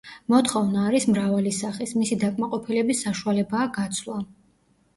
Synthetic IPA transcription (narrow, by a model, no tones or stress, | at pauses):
mɔt̪χɔvnaːɾismɾavalisaχismisid̪akʼmaqʼɔpʰilɛbisːaʃualɛbaːɡat̪sʰlˠa